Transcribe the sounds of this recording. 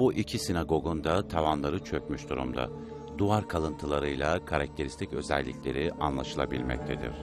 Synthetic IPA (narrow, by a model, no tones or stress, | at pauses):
buʔicʰisinaɡo̞ɡund̪at̪ʰavanlˠaɾɯt͡ʃʰø̞cmyʃd̪uɾṵmd̪a̰ | d̪uaɾkʰalˠɯnt̪ʰɯlˠaɾɯjlˠakʰaɾak̚t̪ʰe̞ɾist̪ʰicø̞zɛ̰lʲːḭcʲlʲe̞̰ɾiʔanlˠaʃɯlˠa̰bilʲmɛ̰c̚t̪ʰe̞d̪ḭɾ̝̥